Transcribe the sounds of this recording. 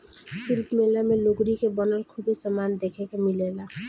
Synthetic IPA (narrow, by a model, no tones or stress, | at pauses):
sɪlpmelamẽloɡɾikebənəlkʰubesəmaːnd̪ekʰekemɪlela